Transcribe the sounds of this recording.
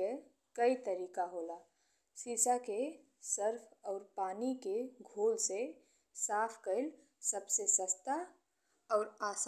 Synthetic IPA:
e | kəit̪əɾiːkaɦoːla | siːsake | səɾpʰɔːɾpaːnikeɡʱoːlse | saːpʰkəɪl | səbsesəst̪a | ɔːɾaːs

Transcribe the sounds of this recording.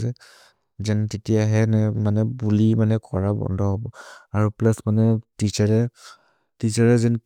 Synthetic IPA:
sɛ | zɛntetijaɦɛnɛmanɛbulimanɛkɔɹabɔ̰ndʱɔɦɔbɔaɹuplasmanɛtit͡ʃaɹɛ | tisaɹɛzɛn

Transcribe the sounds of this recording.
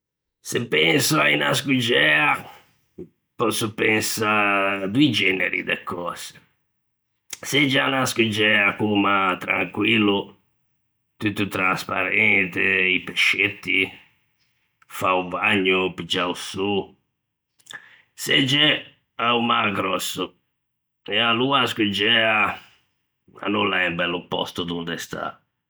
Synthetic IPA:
sepːɛnsuaina̰skud͡ʒɛa | pɔsupensad̪uid͡ʒɛnḛɾḭd̪ḛkʰːɔːse̥ | sed͡ʒanaskud͡ʒɛakumat̪ɾa̰ŋkwilːu | t̪ut̪ːut̪ɾaspa̰ɾɛnt̪eipeʃːet̪ːi | faubaɲːʊpid͡ʒausu | sed͡ʒɛ | aumaɡɾɔsːʊ | ɛaluaskud͡ʒɛːa | a̰nulːaɛmbɛlːupːɔ̰st̪ud̪und̪ɛst̪ʰa̰

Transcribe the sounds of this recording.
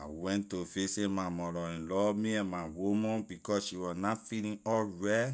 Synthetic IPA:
awɛ̃ntofesemamɔɾɔĩnlɔmiãnmawumɔ̃nbikɔsʃiwɔnafilĩnɔlɹɛ

